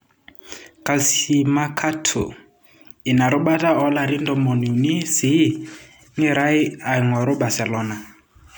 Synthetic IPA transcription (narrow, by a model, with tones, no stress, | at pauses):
kʼa˨lsi˨ma˦kʰa˦tʰʊ̰˨ | i˨na˨ɾʊ˦ɓa˦tʼa˦ɔ˦la˨ɾi˦ndɔ˦mɔ˨ni˨ni˦si˦ | ŋi˦ɾa˦i˦a˨ŋwa˨ɾʊ˦ba˨sɛ˨lɔː˦na˨